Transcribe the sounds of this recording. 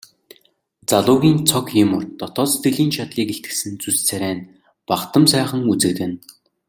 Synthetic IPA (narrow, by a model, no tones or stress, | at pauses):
t͡saɮʊːɣʲiːnt͡sʰɔkjɪmʊrt̪ːɔt̪ɔːst̪ɘ̆ɮiːnt͡ɕʰat̪ɮiːkeɬt̪̚ɡɘ̥̆sɘ̆nt͡sust͡sʰæɾʲæːn | paχt̪ə̆msæːχə̆ŋut͡sɘ̆kt̪ɘ̆n